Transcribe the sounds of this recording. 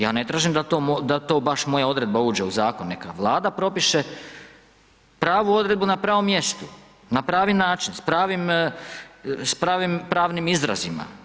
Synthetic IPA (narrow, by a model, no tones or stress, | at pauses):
jaːne̞t̪ɾaːʒimd̪at̪oːmod̪at̪o̞ːbaʃmo̞jao̞d̪ɾe̞d̪̚bauːd͡ʒe̞uzaːkonːe̞kaʋlˠaːd̪apɾo̞piʃe̞ | pɾaːʋuo̞d̪ɾe̞d̪̚bunapɾaːʋo̞mje̞st̪u | napɾaːʋinaːt͡ʃinspɾaːʋim | spɾaːʋimpɾaːʋnimizɾazima̰